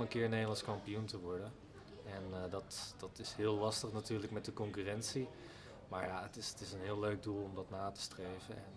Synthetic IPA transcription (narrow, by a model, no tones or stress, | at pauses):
ənkɪːɹnejdəlˠɑnskɑmpijuntəʋɔɹdən | ɛndɑtd̥ɑtɪsɦɪːəlɑstəχnatyːɹləkmɛt̚dəkɔŋkyrɛntsi | ma̰ːɹja̰ətɪstɪsənɦɪːlːøɥɡ̚dulˠɔmdɑtnaːtə̥strejvənɛ̰n